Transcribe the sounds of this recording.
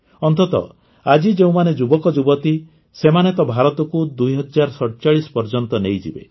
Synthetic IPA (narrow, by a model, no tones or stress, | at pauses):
ɔnt̪ɔt̪ɔ̰ | ad͡ʒid͡ʒeũmaned͡ʒubɔkɔd͡ʒubɔt̪i | semanet̪ɔbʱaɾɔt̪ɔkud̪ujɦɔd͡ʒaɾsɔʈt͡ʃaɭisɔ̥pɔɾd͡ʒɔnt̪ɔnejd͡ʒḭbḛ